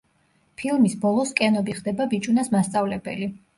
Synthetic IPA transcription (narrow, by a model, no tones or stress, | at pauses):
pʰilˠmisbɔlˠɔskʼɛnɔbiχd̪ɛbabit͡ʃʼunasmast̪sʼavlɛbɛli